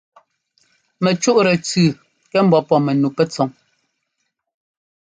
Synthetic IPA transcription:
mɛ˨t͡ʃu˦ʔɾɛ˨t͡sʉ˨ | kɛ˦m̩˦bɔ˦pɔ˦˨mɛ˨nu˨pɛ˦t͡sɔ˨˦ŋ

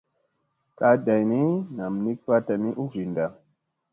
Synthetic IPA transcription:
ka˧˦da˨jni˦na˨m˨ni˦k̚fa˦ta˨ni˦ʔu˦vi˨nda˨

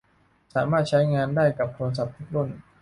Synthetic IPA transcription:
saː˩˦maː˥˩t̪̚t͡ɕʰa˦˥jŋaː˧ndaː˥˩jka˨˩p̚t̪ʰu˧ns̬a˨˩p̚t̪ʰu˦˥k̚ɾu˥˩n

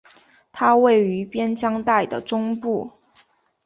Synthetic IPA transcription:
t̪ʰa˥we˥˩ɪy˧˥pjɛ˥nt͡ɕjɑ˥ŋt̪a˥˩ɪd̪ə˩ʈ͡ʂʊ˥ŋpu˥˩

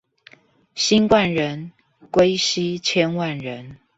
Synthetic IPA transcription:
ɕi˥˦nkwa˥˨nɻə˨˦n | kwe˥ɪɕi˦t͡ɕʰjɛ˥˦nwa˥˨nɻə˨˦n

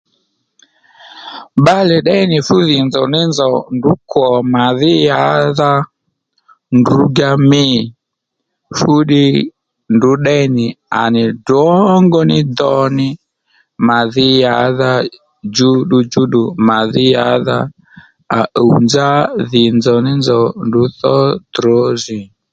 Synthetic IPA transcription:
ɓa˦lɛ˨ɗɛ˦nɪ˨fu˦ðɪ˨nd͡zɔ˨nɪ˦nzɔ˨ndu˨˦kɔ˨ma˨ðɪ˦ja˨˦ða˦ | ndu˨˦ɡa˦mɪ˦˨ | fu˦ɗɪ˦ | ndu˨˦ɗɛ˦nɪ˨a̰˨nɪ˨dɔ˦ŋɡɔ˦nɪ˦d̪ɔ˧nɪ˦ | ma˨ðɪ˦ja˨˦ða˧ | d͡ʒu˦ɗu˧d͡ʒu˦ɗu˨ma˨ðɪ˦ja˨˦ða˧ | a˨ʔo˨nd͡za˦ðɪ˨nd͡zɔ˨nɪ˦nd͡zɔ˨ndu˨˦θɔ˦d̪ɾɔ˨˦zɪ˨

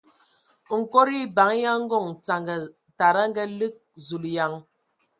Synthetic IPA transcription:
ŋ̩˨ko˦ɾi˦ba˨˦ŋ˦ja˦ŋ̩˦ɡɔ˦˨ŋt͡sa˨ŋɡə˨ | ta˨ɾa˦ŋ˦ɡɛ˦lɨ˦k̚zu˨lja˨˦ŋ

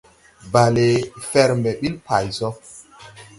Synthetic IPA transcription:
ba˨le˨fɛ˨ɾmɛ˨ɓi˦lpa˨jsɔ˦

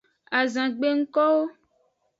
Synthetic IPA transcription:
a˨zã˨ɡ͡be˦ŋ̩˦kɔ˦wo˦

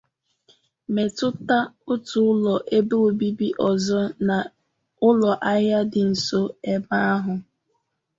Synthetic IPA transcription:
me˨tʊ˦ta˦ʊ˦tʊ˨˦ʊ˦lɔ˨ʔe˦be˦o˨bi˦bi˦ʔɔ˨zɔ˦na˨ | ʊ˦lɔ˨ʔa˦ja˦dɪ˨n̩˨so˦e˦ba˦a˦ɦʊ˨

